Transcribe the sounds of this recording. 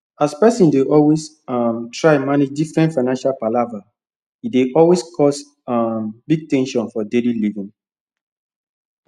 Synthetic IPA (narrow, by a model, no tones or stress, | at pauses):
aspɛsĩndeʔɔlwes | amtʰɹaɪmaned͡ʒdifɹɛ̃ntfaɪnãnʃalpalava | ideʔɔlweskʰɔs | ambiɡ̚tɛ̃nʃɔ̃nfɔdelilivĩŋ